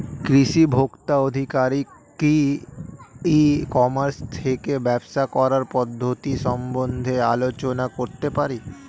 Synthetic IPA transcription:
kɾiʃibʱokt̪aod̪ʱikaɾi | ki | ikɔmaɾst̪ʰekebɛbʃakɔɾaɾpɔd̪ʱːot̪iʃɔmbond̪ʱealot͡ɕonakoɾt̪epaɾi

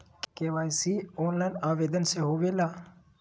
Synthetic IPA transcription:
keʋaːjsioːnlaːnaːʋeːd̪ənseɦoːʋeːlaː

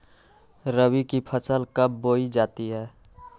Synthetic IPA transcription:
ɾəwikipʰəsəlkəbboːid͡ʒaːt̪iɦɛː

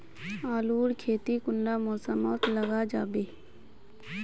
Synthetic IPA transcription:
aːluːɽkʰeːt̪ikʊnlaːmoːsəmoːt̪ləɡaːd͡ʒaːbeː

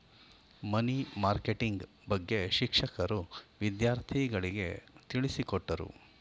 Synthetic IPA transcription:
mɐnimaːɾkeʈiŋɡ | bɐɡːe̞ʃikʂɐkɐɾuʋid̪jaːɾt̪ʰiɡɐɭiɡe̞̰t̪iɭisikɔʈːɐɾṵ

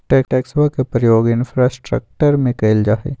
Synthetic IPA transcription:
ʈɛːkʈɛːksʋakepɾəjoːɡɪnfɾaːsʈɾə̰k̚ʈəɾmẽkeɪld͡ʒaːɦḛ

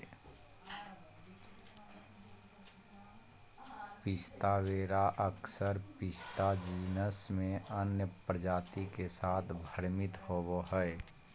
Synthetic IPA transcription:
pɪst̪aweːɾaʔəksəɾpɪst̪ad͡ʒiːnəsmẽənjəpɾəd͡ʒaːt̪ikesaːt̪ʰbʱəɾmɪt̪hoboɦɛe

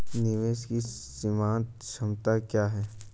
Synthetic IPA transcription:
nɪʋeːʃkisimãːnt̪ʃɐmt̪akjaːɦɛː

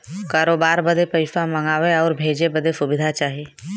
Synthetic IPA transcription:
kaːɾoːbaːɾbəd̪ʱepəɪfaməŋaːʋeɔːɾbʱeːd͡ʒebəd̪esʊbɪd̪ʱat͡ʃaːɦieː

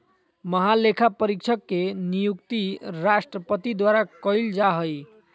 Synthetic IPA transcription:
məɦalekʰapəɾik̚t͡ʃʰəkːenijukt̪iɾasʈɾəpət̪id̪waɾakəɪld͡ʒaɦəj

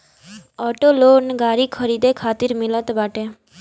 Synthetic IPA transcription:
ɔʈoloːnɡaːɾikʰəɾid̪ekʰat̪iɾmilət̪baʈe

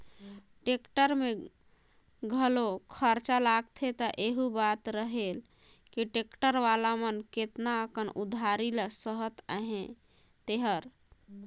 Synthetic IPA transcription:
ʈekʈəɾme | ɡʱəlokʰəɾt͡ʃalaɡt̪ʰet̪əʔeɦubat̪ɾəɦel | kiʈekʈəɾʋalamənket̪naəkənud̪ʱaɾiləsəɦət̪a̰ɦẽ | t̪eɦəɾ

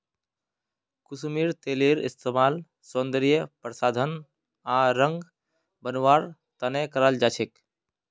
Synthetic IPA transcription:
kusmiɾt̪eleɾḭst̪emal | sond̪ɾijəpɾəsad̪ʱən | aɾə̃ŋɡ | bənʋaɾ | t̪ənekəɾəld͡ʒat͡ʃʰek

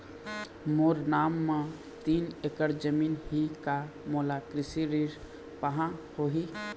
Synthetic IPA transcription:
moːɾnaːmːã | t̪iːnekəɾd͡ʒəmiːnɦika | moːlakɾɪsiɾiːɾ | pəɦãhoːɦi

